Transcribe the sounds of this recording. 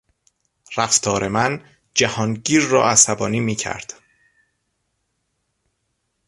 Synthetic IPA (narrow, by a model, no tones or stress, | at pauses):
ræft̪ʰɒːɾe̞mæn | d͡ʒæhɒːnɟiːɾːɒ̰ːæsæbɒːniːmiːcʰæ̰ɾd̪̥